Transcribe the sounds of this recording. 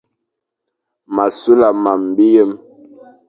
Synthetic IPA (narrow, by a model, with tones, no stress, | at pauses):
ma˨su˦la˨ma˨m˨bi˦jə˦m